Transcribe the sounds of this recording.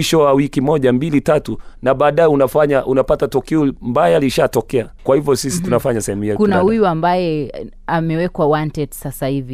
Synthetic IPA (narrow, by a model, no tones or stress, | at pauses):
iʃɔwawikimɔʄambilitatunaɓaːɗajɛunafaɲaʔunapatatukɛɔmbajaliʃatɔkɛakwahivjɔsisi̥tunafaɲasɛhɛmuhiɛkunahujuambajɛ | amɛwɛkwawantɛtsasahivi